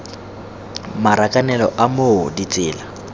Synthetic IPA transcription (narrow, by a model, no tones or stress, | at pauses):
maɾakʼanɛlɔʔamodit͡sʼɪːla